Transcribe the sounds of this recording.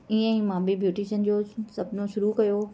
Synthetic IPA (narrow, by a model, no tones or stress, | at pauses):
iə̃ĩmãːbibjuːʈiʃənd͡ʑoːsɐbnoʃʊɾukɐjo